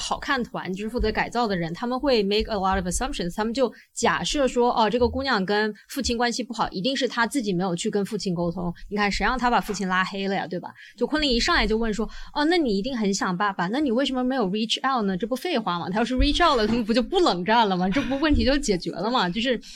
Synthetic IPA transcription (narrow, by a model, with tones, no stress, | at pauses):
xɑ˨˩ʊkʰa˥˩nt̪ʰwa̰˧˥nt͡ɕo˧˥ʂɻ̩˥fu˥˩t͡sɤ˧˥ka˨˩ɪt͡sɑ˥˩ʊd̪ə˩ɻə˧˥nt̪ʰa˥mə˨nxwe˥˩ɪme˥ɪkə˨lɔ˥ɾɔ˨vəsɐ̃˦˥mpʂə˨nst̪ʰa˥mə˨nt͡ɕjo˥˩ʊ | t͡ɕja˨˩ʂɤ˥˩ʂwɔ˥ʔɔ˧ʈ͡ʂɤ˥˩ɡə˩ku˥njɑ˥˩ŋkə˥nfu˥˩t͡ɕʰi˥nkwa˥nɕi˨pu˥˩xɑ˨˩ʊʔi˧˥t̪i˥˧ŋʂɻ̩˥˩t̪ʰa˥t͡sɹ̩˥˩t͡ɕi˨˩me˧˥ɪjʊt͡ɕʰy˥˩kə˥nfu˥˩t͡ɕʰi˥˩nko˥ʊt̪ʰo˥ŋni˧˥kʰa˥˩nʂə˧˥jɑ˥˩ŋt̪ʰa˥pa˨˩fu˥˩t͡ɕʰi˥˩nla˥xe˥ɪlə˨˩ja̰˩t̪we˥˩ɪbɐ̰˩t͡ɕjo˥˧ʊkʰwə˥˩nli˥˩ŋi˧˥ʂɑ˥˩ŋ˧˨˩t͡ɕjo˥˧ʊwə˥˩nʂwɔ˥ɔ˥˧na˥˩ni˨˩i˧˥t̪i˥˩ŋxə˧˥nɕjɑ˨˩ŋpa˥˩ba˩na˥˩ni˨˩we˥˩ɪʂə˧˥mə˧me˧˥ɪjo˨˩ʊɹi˥ʈ͡ʂʰa˥˧ʊt̚nə˩ʈ͡ʂɤ˥˩pu˥fe˥˩ɪxwa˧˥mɐ̰˨˩t̪ʰjo˥˧ʊʂɻ̩˥˩ɹi˥ʈ͡ʂʰa˥˩tlə˩t̪ʰə˥˩m˧˩pu˧˥t͡ɕjo˥˧ʊpu˥˩lɤ˨˩ŋʈ͡ʂa˥˩nlə˩mɐ˩ʈ͡ʂɤ˥˧p̬u˥wə˥˩nt̪ʰi˧˥t͡ɕjo˥˩ʊt͡ɕjɛ˨˩t͡ɕɥɛ̰˧˥lə˧mɐ˨t͡ɕjo˥˧ʊʂɻ̩˥˩